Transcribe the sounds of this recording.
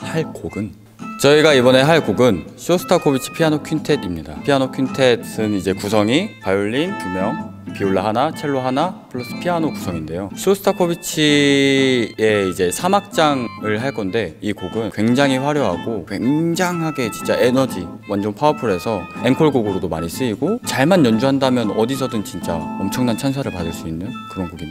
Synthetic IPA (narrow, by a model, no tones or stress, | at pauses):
haɭkoɡɯn | t͡ɕʌiɡaibʌne̞ɦaɭkoɡɯnsʰosʰɯ̥tʰakʰobit͡ɕʰi̥pʰianokʰɥintʰedimɲida̰pʰianokʰintʰe̞dsʰɯnid͡ʑe̞kusʰʌŋipajuɭːinkjumjʌŋ | pioɭːaɦanat͡ɕʰeɭːoɦanapʰɯɭːʌs͈ɯ̥pʰianokusʰʌŋinde̞josʰosʰɯ̥tʰakʰobit͡ɕʰi | e̞id͡ʑe̞sʰamak̚t͡ɕ͈aŋɯɭɦaɭk͈ʌnde̞ikoɡɯnkwe̞ŋd͡ʑaŋɦiɸwaɾjoɦaɡokwe̞ŋd͡ʑaŋɦaɡe̞t͡ɕint͡ɕ͈a̰ʔe̞nʌd͡ʑi | wand͡ʑʌnpʰaopʰɯɾe̞sʰʌe̞ŋkʰʌɭɡoɡɯɾodomaɲis͈ɯiɡot͡ɕaɭmanːjʌnd͡ʑuɦandamjʌnʌdisʰʌdɯnt͡ɕint͡ɕ͈a̰ʌmt͡ɕʰʌŋnant͡ɕʰans̬ʰaɾɯɭpadɯɭs͈uinːɯnkɯɾʌnɡoɡi